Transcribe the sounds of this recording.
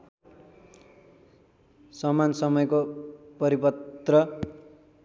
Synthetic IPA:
sʌmansʌmʌjkopʌɾipʌt̪rʌ

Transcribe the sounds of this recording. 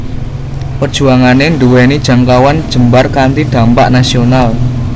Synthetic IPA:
pərd̥ʒ̥ṳaŋaneɳɖuwenid̥ʒ̥a̤ŋkawand̥d͡ʒʒ̥ə̤mbarkant̪iɖ̪̥ä̤mpa̰ʔnasional

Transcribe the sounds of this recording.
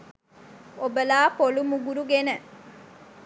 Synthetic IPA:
obəlaːpolumuɡuɾuɡenə

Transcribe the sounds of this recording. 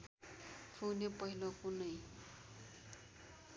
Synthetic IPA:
pʰuwnepʌɦilokunʌj

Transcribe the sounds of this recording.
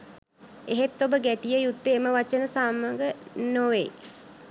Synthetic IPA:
eɦet̪ːobəɡæʈijəjut̪ːəːməʋat͡ʃənəsaːməŋɡənoʋḛj

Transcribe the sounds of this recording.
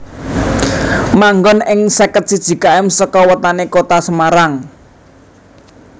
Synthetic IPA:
maŋɡɔnɪŋsɛkət̪̚sid̥ʒ̥i̤kaɛmsəkɔwət̪anekot̪asəmaɾaŋ

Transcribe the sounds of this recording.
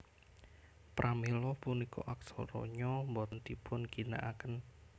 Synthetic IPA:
pɾʔamilɔpuniko̰ʔaksɔ̰ɾɔ̰ɲɔmbɔt̪nt̪ipʰʊnɡ̥i̤na̰ʔakən

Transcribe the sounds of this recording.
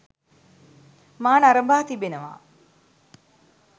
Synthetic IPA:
maːnaɾəmbaːt̪ibenəʋa̰ː

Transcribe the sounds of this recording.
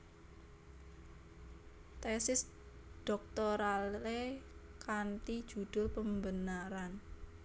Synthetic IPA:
t̪ɛsɪs | d̪̥ɔk̚t̪ɔɾalekant̪id̥ʒ̥ṳd̪̥ʊ̤lpəmbənaɾan

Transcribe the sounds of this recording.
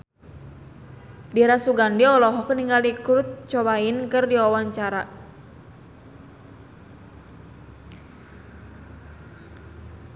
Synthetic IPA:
dɛɾasuɡandiɔlɔɦɔkniŋɡalikɾʊt̪̚t͡ʃɔbainkɨrdiawaɲt͡ʃaɾa

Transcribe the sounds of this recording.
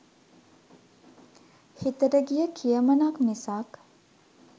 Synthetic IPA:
hit̪əɾəɡijəkʰijəmənaknisak

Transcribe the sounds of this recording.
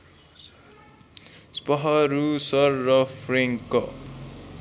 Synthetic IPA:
spʌɦʌɾusʌrːʌpʰreŋkʌ

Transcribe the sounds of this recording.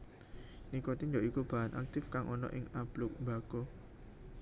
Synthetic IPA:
nikot̪ind͡ʒɔʔikub̥aɦanʔa̰k̚t̪ɪfkaŋʔɔnɔ̰ʔɪŋab̥lʊk̚mbako

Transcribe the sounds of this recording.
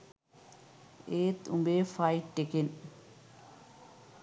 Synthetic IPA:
eːt̪umbeːfajʈːeken

